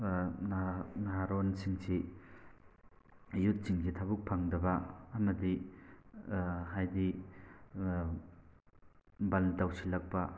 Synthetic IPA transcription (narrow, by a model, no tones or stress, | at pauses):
nnaɦaɾonsiŋsʰi | jut̚t͡ʃiŋsitʰabuk̚pʰaŋdɐbɐɐmɐdi | hajdi | bɐldawsilɐk̚pɐ